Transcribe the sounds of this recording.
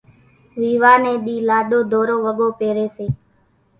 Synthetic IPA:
ʋiːʋaːnẽːɗ̪iːlaːɗoːd̪ʱoːɾoːʋəɠoːpeːɾeːseː

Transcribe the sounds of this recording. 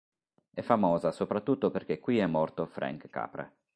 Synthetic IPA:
ɛfːamɔːzasopɾat̪ːut̪ːoperk̟ekwiɛmːɔrt̪ofɾɛ̰ŋkkːa̰ːpɾḛ

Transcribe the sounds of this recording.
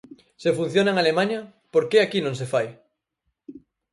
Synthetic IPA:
sefun̟θjonaeŋalemãɲɐ | poɾkeakinõŋs̬efaj

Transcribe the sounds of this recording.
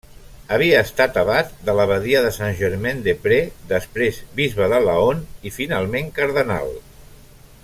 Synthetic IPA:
əβ̞iəːst̪at̪əβat̪̚d̪ələβəðiəðəsanʲʒəɾmend̪epɾed̪əspɾezbizβəðələonifinalˠmeŋkəɾðəna̰lˠ

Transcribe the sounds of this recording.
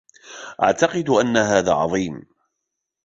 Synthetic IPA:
ʔa̰ʕt̪ɑqɨd̪ʔanːaɦaːðaːʕɑðˤiːm

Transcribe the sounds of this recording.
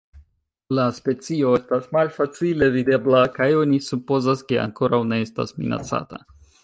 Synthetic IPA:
laspe̞t͡sio̞estasmalfat͡sile̞vide̞blakajo̞nisupo̞zaske̞a̰ŋko̞ɾawne̞esta̰smḭna̰t͡sa̰ta̰

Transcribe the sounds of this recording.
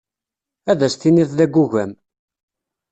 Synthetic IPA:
æðæst̪iniθðæɡːuʝæm

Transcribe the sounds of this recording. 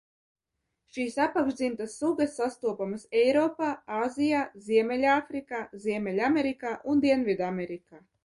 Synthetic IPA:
ʃiːsapakʒd̪zimt̪asːuɡasːast̪uɔpamɨsɛjɾɔːpaːaːzijaːziɛmʲɛlʲafɾikaːziɛmʲɛlʲamʲɛɾikaːʔund̪iɛnvid̪amʲɛɾikaː

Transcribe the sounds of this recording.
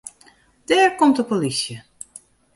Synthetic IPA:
d̥ɛːɹkomtdəpolisjə

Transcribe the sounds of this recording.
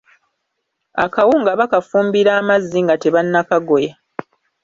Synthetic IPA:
a̰kawuŋɡaβakafuːmbiɾaːmazːiŋɡate̞βanːakaɡo̞ja

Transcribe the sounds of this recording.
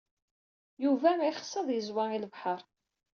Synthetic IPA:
juvæmʕiχə̥sːəðˤjəzwailəvħəɾˤ

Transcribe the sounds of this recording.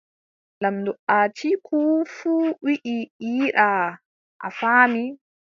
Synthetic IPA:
lamdɔʔaːt͡ʃikʰufuːwiʔiiːɗa | ʔa̰faːmi

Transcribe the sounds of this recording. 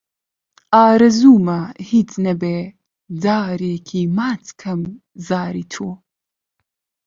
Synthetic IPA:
aːɾɐzuːmɐhiːt͡snɐbeː | daːɾeːkʰiːmaːt͡skʰɐm | zaːɾiːt̪ʰoː

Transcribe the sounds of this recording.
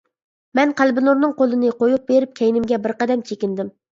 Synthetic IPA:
mɛnqʰælˠbɪnuɾnɨŋqolˠɨnɨqojup̚beɾɪp̚kʲʰɛjnɪmɡʲɛbɪɾqɑd̪ɛmt͡ʃʰekʲɪnd̪ɪm

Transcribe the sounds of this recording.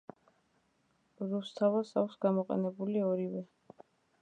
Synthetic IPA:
ɾust̪ʰavasa̰kʷʰsɡamɔqʼɛ̰nɛbuliɔɾivɛ

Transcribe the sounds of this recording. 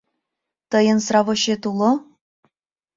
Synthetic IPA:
t̪ɤ̆jɤ̆nsrɑvoɕet̪ulˠo

